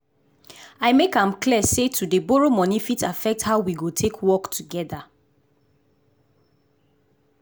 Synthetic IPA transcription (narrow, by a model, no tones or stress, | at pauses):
aɪmekãmkliɛsetʰudəboɹomɔnifitafɛk̚thaʊwiɡotʰekʰwɔktʰuɡɛda